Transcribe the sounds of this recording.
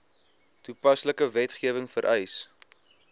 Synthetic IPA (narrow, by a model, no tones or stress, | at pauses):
tupɐsləkəvɛtχiəvəŋfəɾʔɛjs